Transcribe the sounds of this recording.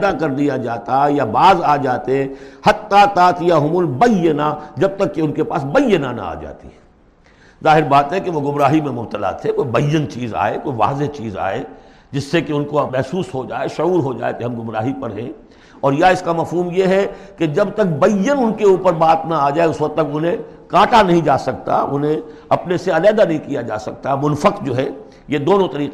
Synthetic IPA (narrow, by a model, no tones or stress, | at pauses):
d̪akɐɾlijad͡ʒaːt̪ajabaːzaːd͡ʒaːt̪eɛhɐt̪ːat̪aːt̪jaɦʊmʊlbɐjənad͡ʒɐb̚t̪ɐkːeʊnkepaːsbɐjːənanɐ̰a̰ːd͡ʒa̰ːt̪ḭɦɛ | zaːɦɪɾbaːt̪ɦɛkeʋoɡʊmɾaːɦimẽmʊb̚t̪əla̰t̪ʰekoːibɐjːənt͡ʃiːza̰ːekoːiʋa̰ːzeɦt͡ʃiːza̰ːeː | d͡ʒɪsːekeʊnkomɛɦsuːsɦod͡ʒaːeʃʊuːɾɦod͡ʒa̰ːḛkeɦɐmɡʊmɾaːɦipɐɾɦɛ̃ | ɔːɾjaɪskamɐfɦuːmjeɦɛked͡ʒɐbt̪ɐk̚bɐjənʊnkeuːpəɾbaːt̪naaːd͡ʒaːeʊswɐk̪̚t̪ɐkʊnɦẽkaːʈʰanɐɦĩd͡ʒaːsɐk̚t̪a̰ʊ̰nɦẽ | ɐpneseɐlɛːd̪anɐɦĩkijad͡ʒa̰ːsɐk̚t̪amʊnfəqd͡ʒoːɦɛ | jed̪oːnõt̪ɐɾiːq